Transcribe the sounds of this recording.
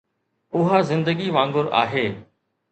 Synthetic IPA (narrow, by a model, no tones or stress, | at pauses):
ʊɦazɪ̃nd̪əɡiʋãːŋɡʊɾa̰ːɦeː